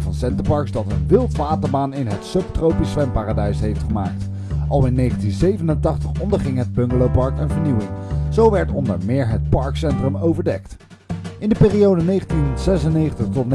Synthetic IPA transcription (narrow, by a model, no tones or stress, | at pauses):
vɑnsɛntəpɑɹksdɑtənʋɪlˠtʋaːtəɹbaːnɪnɦətsɵp̚trowpisʋɛmpaːradɛɥjsɦejftχəmaːk̚t | ʔɑlˠɪnːejχəntinzejvənəntɑχtəχɔndəɹχɪŋɦəd̚bɵŋɡəlowpɑɹkənvəɹniwɪŋz̥owʋɛɹtɔ̰ndəɹmɪːɹɦət̚pɑɹksɛntrəmowvəɹdɛk̚t | ɪndəpɪːriowdənejχəntinz̥ɛsənejχəntəχtɔtn